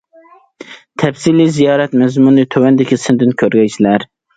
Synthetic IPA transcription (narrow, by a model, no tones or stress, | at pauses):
t̪ʰɛpsilizijɑːɾɛt̪mɛzmunɨt̪ʰøwɛnd̪ɪkʲisɨnd̪ɪnkʲʰøɾɡʲɛjt͡ʃʰilæɾ